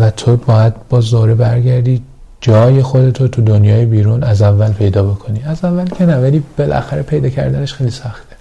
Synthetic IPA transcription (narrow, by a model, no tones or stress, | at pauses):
væt̪ʰo̞bɒːjæd̪̚bɒːzoɾebæɾɟæɾd̪iː | d͡ʒɒːje̞xo̞d̪e̞t̪ʰot̪ʰud̪onjɒːjebiːɾuːnæzævːælpʰe̞jd̪ɒːbo̞kʰo̞niːæzævːælcʰenævæliːb̥e̞lʔæ̰xæɾepʰe̞jd̪ɒːcʰæ̰ɾd̪æne̞ʃxejlisæxt̪e